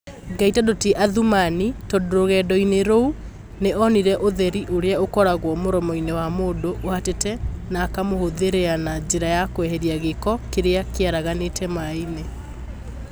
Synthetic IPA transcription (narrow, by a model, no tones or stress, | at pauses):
ɡaitadoteʔaðumanitɔdoɾoɣɛːdɔineɾou | neʔɔniɾɛʔoðɛɾiʔoɾeaokɔɾaɣwɔmoɾɔmɔinewamoːdoʔːhatetɛnaːkamohoðeɾeanad͡ʒeɾajakwɛɦɛɾiaɣekɔkeɾeakeaɾaɣanetɛmaine